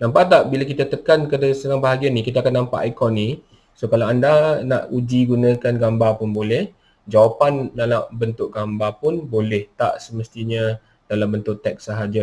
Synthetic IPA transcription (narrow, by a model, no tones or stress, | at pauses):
nãmpaʔt̪aʔbilakit̪at̪əkankadasənaŋbaɦaɡianikit̪aakanːampa̰ʔakɔnːi | sokalawandana̰ʔud͡ʒiɡunə̃kanɡambapʊnbolɛh | d͡ʒawapandalaʔbənt̪ʊʔ̚ɡambapʊnbolɛht̪a̰ʔsəməst̪iɲə | d̥alambənt̪ʊʔt̪ɛk̚səɦad͡ʒa